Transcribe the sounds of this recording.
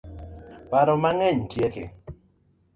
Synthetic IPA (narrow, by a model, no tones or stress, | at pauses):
paɾɔmaŋɛɲtjekḛ